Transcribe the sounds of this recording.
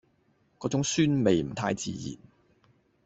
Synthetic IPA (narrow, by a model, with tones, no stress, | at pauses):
kɔː˨˧˥t͡sʊ˨˥ŋsyː˥nme˨jm̩˨˩t̪ʰaː˧˥jt͡sḭː˨jḭ˨˩n